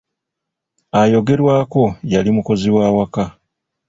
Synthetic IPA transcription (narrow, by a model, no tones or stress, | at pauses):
ajo̞ɡe̞ɾwaːko̞jalimuko̞ziwaːwaka